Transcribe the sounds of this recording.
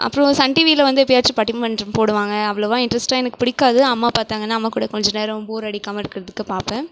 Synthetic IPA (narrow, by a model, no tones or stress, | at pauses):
ʔɐ̰pːɯɾõsɐɳʈiʋiːlɐʋɐnd̪ɯɛpːɪjaːɾt͡ʃɯpɐʈːɪmɐnɾɯmpoːɽɯʋaːŋɡɐɐʋːɐɭoʋãːɪɳɖɾɐsʈaːɛnɐkːɯ̥pɪɽɪkːaːðɯɐmːaːpaːɾt̪aːŋɡɐnːaːmːaːkuːɽɐkɔɲd͡ʒɐneːɾɐ̃buːɾɐɽɪkːaːmɐɪɾɯkːɪɾɐðɯkːɯpaːɾpɛ̃ː